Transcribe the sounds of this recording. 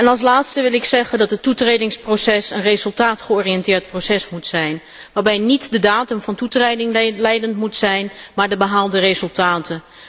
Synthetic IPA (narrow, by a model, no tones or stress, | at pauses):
ɛnɑlˠs̬laːtstəʋɪlˠɪksɛχəndɑtɦətːutrejdɪŋsprosɛsənrezɵlˠtaːtχəɔːriɛntɪːɹt̚prowsɛsmutsɛjn | ʋaːɹbɛjnitdədaːtəmvɑntutredɪŋlɛjdəntmutsɛjnmaːɹdəbəɦaːlˠdərezɵlˠtaːtən